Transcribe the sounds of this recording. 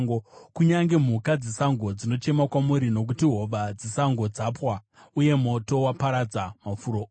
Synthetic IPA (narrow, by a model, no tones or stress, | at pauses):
ŋɡokuɲaŋɡe̞m̤ukad͡zisaŋɡo̞d͡zino̞t͡ʃe̞makwamuɾino̞k̬utiɦo̞ʋad͡zisaŋɡo̞d͡zapwa | uje̞mo̞to̞wapaɾad͡zamafuːɾo